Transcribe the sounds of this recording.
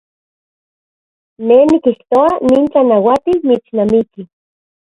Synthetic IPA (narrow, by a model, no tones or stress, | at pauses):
nenikiht̪oaniːnt͡ɬanawat̪ilmit͡snamiki